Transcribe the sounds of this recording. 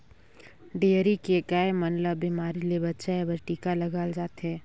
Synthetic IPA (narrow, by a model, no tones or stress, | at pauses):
ɖeːəɾikekaːemənləbimaːɾilebətːʃaebəɾʈiːkalɐɡaːld͡ʒaːt̪ɦɛ̃ː